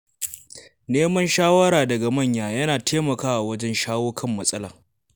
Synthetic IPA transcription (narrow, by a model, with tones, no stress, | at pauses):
neː˦mɐ˦nʃaː˦wɐ˦ɾaː˨dɐ˨ɡa˨mɐ˦˨ɲjaː˨jɐ˦naː˨tʰeː˦mɐ˨kaː˦ʔa˨wɐ˦d͡ʒɛ˦nʃaː˦woː˦kʰɐ˦˨mːɐ˨sʼɐ˦laː˨